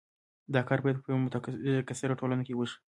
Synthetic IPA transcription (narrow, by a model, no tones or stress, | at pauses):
d̪ɑkɑɾbɑjad̪pəjwmt̪akasɪɾaʈolanokewəʃi̥